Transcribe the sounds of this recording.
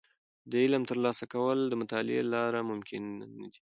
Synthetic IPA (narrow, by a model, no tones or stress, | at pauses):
d̪əɪlamt̪əɾlɑsakawəld̪əmʊt̪ɑlɪḛlɑɾamʊmkʰɪnːad̪i